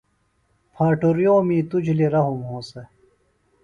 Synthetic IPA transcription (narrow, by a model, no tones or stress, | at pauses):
pʰaːʈoɾijoːmĩːt̪ud͡ʑliɾɐɦumɦõːse